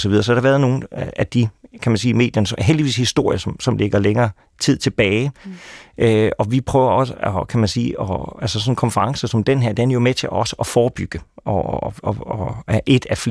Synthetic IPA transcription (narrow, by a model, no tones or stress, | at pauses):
sɒʋiðˠɐsɒæɾ̥ɑ̈ʋæɐð̩ˠno̝ːn̩æd̥ikʰæmænsiːme̝̰ːd̥jɐnəsɦeldiʋḭːshisd̥o̝ɐ̰jɐsɒ̽msɒ̽mle̝ɡ̥ɐleŋɐː | t͡sʰið̞̰ˠt͡sʰe̝b̥ɛːɪ | ʔøɒ̽ʋipʰʁœːʊɐɒ̽səɒkʰæmænsḭːɒælsəsɒ̽n̩kʰɒ̽nfɐʁɑ̈ŋsɐsɒ̽md̥enɦe̝ɐ̰d̥enænɐjo̝met͡sʰe̝ʔɒ̽səʔɒ̽fɒːb̥yɡ̥əʔɒ | ɒæɐʔe̝d̥æf